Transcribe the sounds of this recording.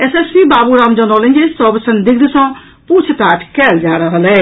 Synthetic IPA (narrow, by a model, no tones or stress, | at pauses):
ɛsespiːbaːbuːɾaːmd͡ʒãːnɔːlẽɲʲd͡ʒesɔːbsənd̪ɪk̚d̪ɪsãː | puːt͡ʃʰt̪aːʈʰkɛːld͡ʒaːɾaːɦəlɛː